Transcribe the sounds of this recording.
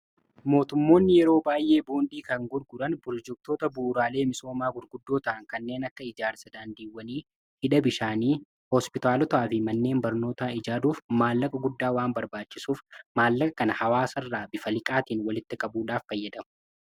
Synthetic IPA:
mo̞ːt̪ʊmːo̞ːnːɪjɛɾo̞ːbaːjʔe̞ːbuːnd̪iːkɐŋɡʊɾɡʊᶑɐnbɔld͡ʒɛk̚t̪o̞ːt̪ɐbuːɾaːle̞ːmɪso̞ːmaːɡʊɾɡʊd̪ːo̞ːt̪ɐʔɐŋkɐnːe̞ːnɐkːɐɪd͡ʒaːɾsɐd̪aːnd̪iːwːɐniː | hɪᶑɐbɪʃaːniː | hɔspɪt̪aːlɔt̪aːfɪmɐnːe̞ːmbɐɾno̞ːt̪aːɪd͡ʒaːd̪uːfmaːlːɐkʼɐɡʊd̪ːaːwaːnbɐɾbaːt͡ʃːɪsuːfmaːlːɐkʼɐkɐnɐhɐwaːsɐrːaːbɪfɐlɪkʼaːt̪iːnwɐlɪt̪ːɪkʼɐbuːᶑaːfːɐjːɐd̪ɐmʊ̥

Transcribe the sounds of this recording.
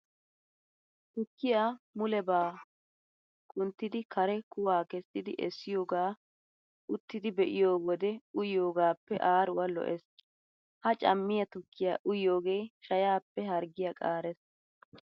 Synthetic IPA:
t̪ʊkːɪjamʊlɛbaː | kʼʊnt̪ːɪd̪ɪkʰɐɾɛkʊwaːkɛsːɪd̪ɪʔɛsːɪjo̞ːɡaː | ʔʊt̪ːɪd̪ɪbɛʔɪjo̞ːwɔd̪ɛʊjːo̞ːɡaːpːɛʔaːɾʊwɐlɔ̰ʔɛs | hɐt͡ʃʼɐ̰mːɪjɐt̪ʊkːɪjaːʔʊjːo̞ːɡeːʃɐjaːpːɛɦɐɾɡɪjakʼaːɾɛs

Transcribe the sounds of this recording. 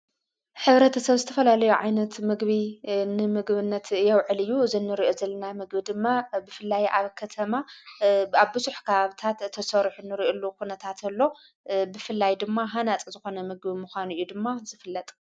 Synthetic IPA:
ħɨβɾɐt̪ʰɐsɐβzɨt̪ʰɐfɐlalɐjuʕajnɐt̪mɨɡβinɨmɨɡβɨnːɐt̪jɛwʕɨlɨjːuzɨnːɨɾiʔozɐlːɐnamɨɡbid̪ɨmːabɨfɨlːajʔaβkʰɐt̪ʰɐma | aβbɨzuħkʰɐβaβɨt̪ʰat̪ʰːɐsɐɾħunːɨɾiʔolːukʰunɐt̪ʰat̪ʰɐlːo̞ | bɨfɨlːajd̪ɨmːaɦanat͡sʼzɨxo̞nɐmɨɡbimuxʷanɨjːud̪ɨmːazɨfɨlːɐt̪ʼ

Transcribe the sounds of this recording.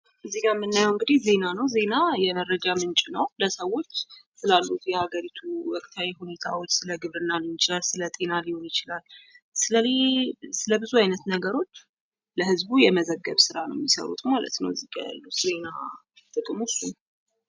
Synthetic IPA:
ʔɨzːiɡamːɨnːajəwɨŋɡɨd̪ihze̞nanəwze̞najɛmərəd͡ʒamɨnt͡ʃʼɪnəwləsəwo̞t͡ʃːsɨlalːut̪jɛhaɡəɾit̪ʰuwɔkʼt̪ʰawihune̞t̪ʰawo̞t͡ʃːsɨləɡɨβɾɨnːalɨnt͡ʃɪlalsɨlət̪ʼe̞naliho̞njɪt͡ʃɪlalsɨləesɨləbɨzuajnət̪nəɡəɾo̞t͡ʃː | ləhɨzbujɛməzəɡːəβsɨɾanə̰wmːisə̰ɾṵt̪malə̰t̪nə̰wɨziɡa̰ja̰lːut̪ze̞na | t̪ʼɨkʼɨmʊsːun

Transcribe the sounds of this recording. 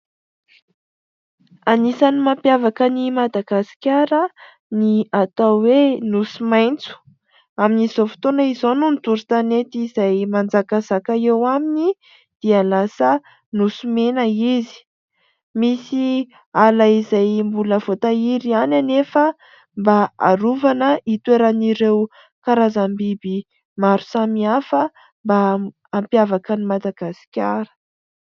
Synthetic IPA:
anisanimampjavakənimad̪aɡ̥asi̥kʲaɾə | niat̪awenusimajnt͡su̥ | aminiz̥ofi̥t̪onaizonunt̪uɾit̪anet̪izajmand͡zakazakaewamini | d̪̥ialasə | nusumenəizi̥ | misi | alaizajmbuləvot̪aiɾiananefə | mbaa̰ɾuvanəit̪weɾaniɾew | kaɾazambibi | maɾu̥samiafə | mbaː | mpjavakənimad̪aɡ̥asi̥kʲaɾə̥

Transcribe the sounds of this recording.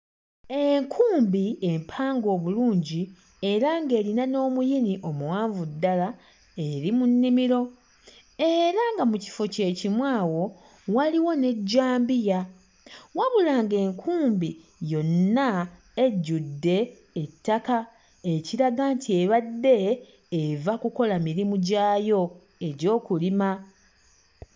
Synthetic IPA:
e̞ŋkʰuːmbiempʰaːŋɡo̞ːβuluːɲɟi | e̞ɾaŋɡe̞ːlinano̞ːmujiniʔo̞muwaːɱvudːala | e̞ɾimunːimiɾo̞ | e̞ɾaŋɡamuci̥fo̞ce̞ːcimwaːwo̞ | waliwo̞ne̞ɟːaːmbija | waβulaŋɡe̞ːŋkʰuːmbi | jo̞nːa | eɟːudːe̞ː | tːaka | e̞ciɾaɡantʰie̞βadːe̞ː | vakuko̞lamiɾimuɟaːjo̞ | e̞ɾo̞ːkulima

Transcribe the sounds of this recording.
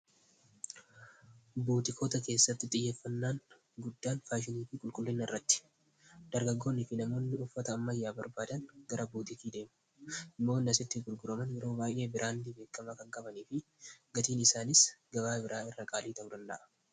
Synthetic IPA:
buːt̪ɪkʰoːt̪ɐke̞ːsːɐt̪ːɪt̪ʼɪjːeːfːɐnːaːŋ | ɡʊd̪ːaːnfaːʃ̬ɪniːfɪkʼʊlkʼʊlːɪnːɐɪrːɐt̪ːɪ̥ | d̪̥ɐɾɡɐɡːo̞ːnːɪfɪnɐmo̞ːnːɪʊfːɐt̪ɐːmːɐjːaːbɐ̰ɾbaːd̪ɐnɡɐɾɐbuːt̪ɪk̪iːd̪e̞ːmʊ | ɪmːo̞ːnɪnːɐsɪt̪ːɪɡʊɾɡʊɾɐmɐnbɪɾo̞ːbaːjʔe̞ːbɪɾʔaːnːɪbe̞ːkːɐmɐkɐŋkʼɐbɐniːfɪ | ɡɐt̪iːnɪsaːnɪsɡɐbaːbɪɾʔaːɪrːɐkʼaːliːt̪ɐʊd̪ɐnd̪ɐ̰ʔɐ̥

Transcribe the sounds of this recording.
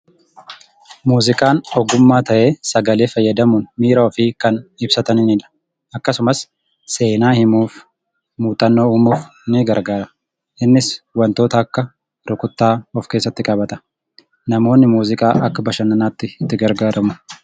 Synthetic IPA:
muːzɪkʼaːnɔɡʊmːaːt̪ɐʔe̞ːsɐɡɐleːfɐjːɐd̪ɐmʊnmiːɾɐɔfɪkɐnɪbsɐt̪ɐnɪnɪnɐ̥ | ʔɐkːɐsʊmɐs | se̞ːnaːhɪmuːf | muːt̪ʼɐnːo̞ːuːmuːfnɪɡɐɾɡaːɾɐ | ʔɪnːɪswɐnt̪o̞ːt̪ɐːkːɐ | ɾʊkʊt̪ːaːɔfke̞ːs̬ːɐt̪ːɪkʼɐbɐt̪ʼɐ̥ | nɐmo̞ːnːɪmuːzɪkʼaːʔɐkːɐbɐʃɐnɐnaːt̪ːɪt̪ːɪɡɐɾɡaːɾɐmʊ

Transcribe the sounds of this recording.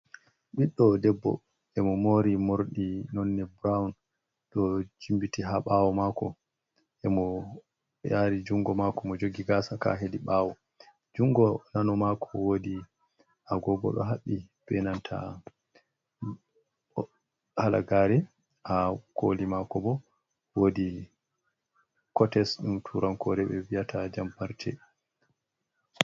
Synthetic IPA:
ɓiɗːɔdɛbːɔ̰ | ʔɛmɔmoɾimoɾɗinɔnːɛbɾawn | ɗɔd͡ʒimbitiɦaɓawɔmaːkɔ | ʔɛmɔ | jaɾid͡ʒuŋɡɔmakɔmɔd͡ʒoɡiɡasaka̰ɦediɓaːwɔ | d͡ʒuŋɡɔnanɔmakʰɔwodi | ʔaɡɔɡɔ̰ɗɔ̰ɦaɓːib̥ɛnantʰa̰ | hala̰ɡaːɾɛ | ʔakʰolimakɔbɔ | wodi | kɔtɛsɗumtʰuɾankɔɾɛɓɛwijatʰad͡ʒampaɾtʰɛ̰

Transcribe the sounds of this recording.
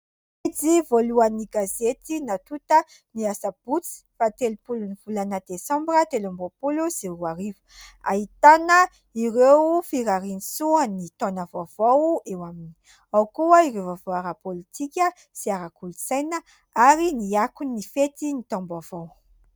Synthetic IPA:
id͡zivoluaniɡazet̪inat̪ut̪ə | niasab̥ut͡si̥fat̪elupuluniv̥ulanəd̪esãmbrət̪elãmbopulusiruaɾivu̥a̰ɦit̪anə | iɾewfiɾaɾinisuənit̪ɔnavoavowewamini̥ | awkuəiɾewvavoaɾapolit̪ʰikʲə | siaɾakulusajnə | aɾiniakunːifet̪init̪ɔ̃mbavow

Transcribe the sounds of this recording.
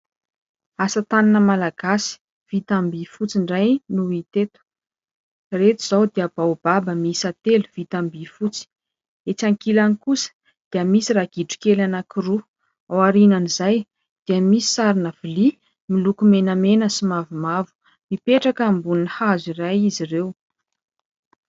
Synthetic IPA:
asət̪aninəmalaɡ̥asi̥ | v̥it̪ambifut͡siɳɖ͡ʐajnuit̪et̪u̥ | ret̪uz̥awd̪iəb̥awb̥abəmisat̪eluv̥it̪ambifut͡si̥ | et͡saŋkilanikusə̥ | d̪̥iəmisiraɡ̥iʈ͡ʂu̥kelanakiru | awaɾinanizaj | d̪̥iəmisi̥saɾinav̥ili | milukumenəmenəsimavimavu̥ | mipeʈ͡ʂakːmbuninihazirajizirew

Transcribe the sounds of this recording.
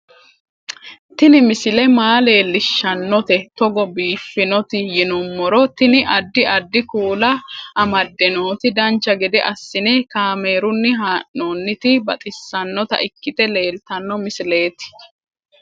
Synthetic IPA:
t̪ɪnɪmɪsɪlɛmaːle̞ːlːɪʃːɐnːɔt̪ɛt̪ɔɡɔbiːfːɪnɔt̪ɪjɪnʊmːɔɾɔt̪ɪnɪʔɐd̪ːɪɐd̪ːɪkuːlɐʔɐmɐd̪ːɛnoːt̪ɪd̪ɐnt͡ʃːɐɡɪd̪ɛʔɐsːɪneːkaːme̞ːɾʊnːɪɦaːʔːoːnːɪt̪ɪbɐt̪ʼɪsːɐnːɔt̪ɐ̰ʔɪkːɪt̪ʼɛle̞ːlt̪ɐnːɔmɪsɪle̞ːt̪ɪ̥

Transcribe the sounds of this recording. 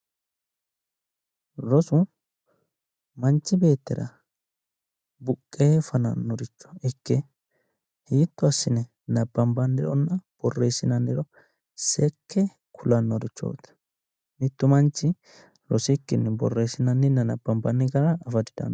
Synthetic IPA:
ɾɔsʊ | mɐnt͡ʃːɪbe̞ːt̪ːɪɾɐ | bʊkʼːeːfɐnɐ̰nːɔɾɪt͡ʃːɔ̥ɪkːɛ | hiːt̪ːʊɐsːɪnɛ | nɐbːɐmbɐnːɪɾɔnːɐb̥ɔrːeːsːɪnɐnːɪɾɔ | sɛkːɛ | kʰʊlɐnːɔɾɪt͡ʃːo̰ːt̪ | mɪt̪ːʊmɐnt͡ʃːɪ | ɾɔsɪkːɪnːɛbɔ̰rːeːsɪnɐnːɪnːɐnɐbːɐmbɐnːɪɡɐɾɐɐfɐd̪ɪd̪ɐ̰n

